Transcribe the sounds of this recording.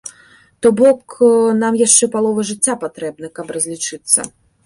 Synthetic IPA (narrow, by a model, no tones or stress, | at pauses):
t̪ɔbɔknamjaʂt͡ʂɛpalˠɔvɐʐɨt͡sʲːapat̪ɾɛbnɐkɐbrɐzʲlʲit͡ʂɨt̪sːɐ̰